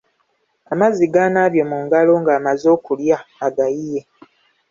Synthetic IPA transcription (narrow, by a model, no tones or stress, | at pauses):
amaziɡanaːβjo̞muːŋɡalo̞ːŋɡaːmazo̞ːkuljaːɡajije̞